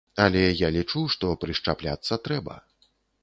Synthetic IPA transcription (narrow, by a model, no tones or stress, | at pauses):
ɐlʲɛjalʲit͡ʂuʂt̪ɔpɾɨʂt͡ʂaplʲat̪sːɐt̪ɾɛbɐ̰